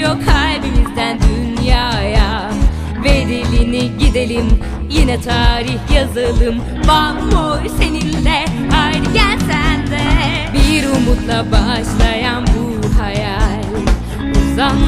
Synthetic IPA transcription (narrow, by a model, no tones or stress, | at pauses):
jokʰːalʲbimizd̪ænd̪ynjaːja | ved̪ilʲiniɟid̪e̞lʲim | jinɛt̪ʰaːɾiçjazɯlˠɯm | banbojse̞ninːɛhajɾɟælsænd̪ɛ | biɾumut̪lˠabaʃlˠajanbu | ɦajalʲ | zan